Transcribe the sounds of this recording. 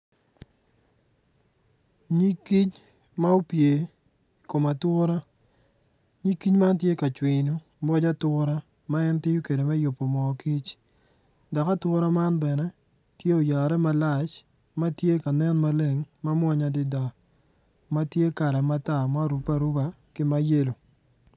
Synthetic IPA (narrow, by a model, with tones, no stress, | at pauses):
ɲi˦ki˦t͡ʃ | ma˦o˦pje˨ | i˨ko˨ma˨twʊ˦ɾa˦ | ɲi˦kːi˦ɲma˦nt̬je˦ka˨t͡ʃwi˨nu˨ | bɔ˦d͡ʒa˦tʊɾa˦ | ma˦ɛ˦ntɪ˦ju˦ke˨de˨mɛ˦jʊ˨pːo˨mɔ˨ki˦t͡ʃ | da˨ka˦twʊ˦ɾa˦ma˦nbɛ˨nɛ˦ | tje˦o˨ja˨ɾɛ˦ma˦la˦˨t͡ʃ | ma˦tje˦ka˨nɛ˦nma˦le˦ŋma˦mwɔ˦ɲa˨dɪ˦da˨ | ma˦tje˦ka˨ɾɛ˨ma˦ta˨ma˦ɾu˨pa˨ɾu˦ba˨ | kɪ˦ma˦je˦lo˨